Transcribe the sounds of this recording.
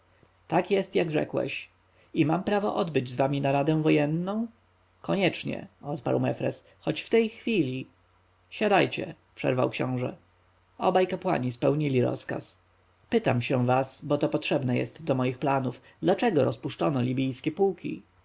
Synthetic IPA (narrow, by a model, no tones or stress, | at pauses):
t̪akjɛst̪jaɡʐɛ̰kwɛ̰ɕ | imampɾavɔʔɔd̪bɘd͡ʑzvamʲinaɾad̪ɛ̃w̃vɔjɛnːɔ̃w̃ | kɔɲɛt͡ʂɲɛ̰ɔt̪pa̰ɾwmɛfɾɛs | xɔt͡ɕft̪ɛjxfʲilʲi | ɕad̪ajt͡ɕɛ̰ | pʂɛ̰ɾvawkɕɔ̰̃w̃ʐɛ̰ | ɔbajkapwa̰ɲispɛwɲilʲiɾɔ̰ska̰s | pɘt̪amɕɛ̃vasbɔt̪ɔpɔtʂɛbnɛjɛ̰st̪d̪ɔmɔjixplanuf | d̪lat͡ʂɛɡɔɾɔspuʂt͡ʂɔnɔlʲibʲijskʲɛpuwkʲḭ